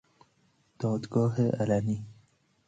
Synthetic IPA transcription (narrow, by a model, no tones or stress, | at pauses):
d̪̥ɑːd̪ɡɑːɦeʔalani